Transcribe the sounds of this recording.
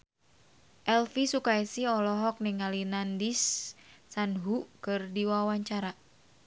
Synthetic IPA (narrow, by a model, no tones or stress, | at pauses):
ʔɛlfisukaisiɔlɔɦɔk̚niŋalinandisː | anɦukɨrdiwawaɲt͡ʃaɾa